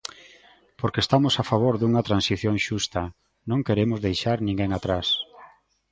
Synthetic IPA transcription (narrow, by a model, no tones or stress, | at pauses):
poɾkest̪amʊsafaβ̞oɾðuŋɐt̪ɾansiθjõŋʃust̪ɐ | nõŋkeɾemʊzðejʃaɾnĩŋɡeŋat̪ɾas